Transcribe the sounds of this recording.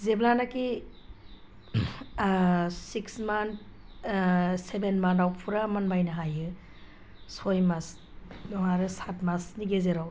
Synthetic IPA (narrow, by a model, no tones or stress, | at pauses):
zeblanaki | siksmant̚ | sebenmanawpʰuɾamanbajnɐɦajɯ | sojmas | dɔŋaɾɯsatmasniɡezeɾaw